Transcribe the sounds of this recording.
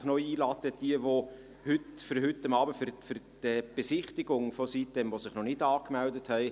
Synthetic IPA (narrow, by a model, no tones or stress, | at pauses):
χnɔiːlɑːtəd̥iəʋo | hʏtfʏɾɦʏtːɑmɑːbəfʏɾfyɾd̥ɛb̥esɪχtɪɡʊŋfɔsit̚dɛmvosɪχnɔnɪdɑːkmældəthɛɪ